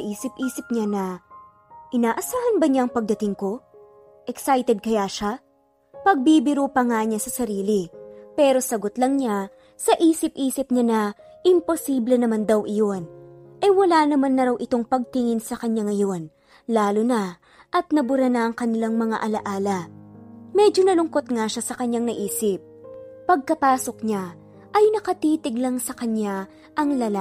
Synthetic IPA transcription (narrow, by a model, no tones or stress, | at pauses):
ʔiːsɪpʔiːsɪp̚ɲanɐ | ʔɪnaːʔɐsaːhɐnbɐɲaŋpɐɡ̚d̪ɐt̪ɪŋko̞ | ʔɛksajt̪ɛd̪̚kɐjaʃa | pɐɡ̚bibɪɾupɐŋaɲasɐsɐɾiːlɪpɛːɾo̞sɐɡot̪lɐŋɲa | sɐʔiːsɪp̚ʔiːsɪp̚ɲanɐ | ʔɪmpo̞siːblɛnɐmand̪ɐwʔɪjo̞nʔɛwɐlaːnɐmanːɐɾawʔɪt̪o̞ŋpɐɡ̚t̪ɪŋɪnsɐkɐɲaŋɐjo̞n | laːlʊnɐ | ʔɐt̪̚nɐbʊɾɐnɐʔɐŋkɐnɪlaŋmɐŋa̰ʔɐlɐʔaːlɐ | mɛd͡ʒo̞nɐlʊŋko̞t̪̚ŋaʃasɐkɐɲjaŋnɐʔiːsɪp̚ːɐɡ̚kɐpaːso̞kɲa | ʔɐjnɐkɐt̪iːt̪ɪɡlɐŋsɐkɐɲja | ʔɐŋlɐla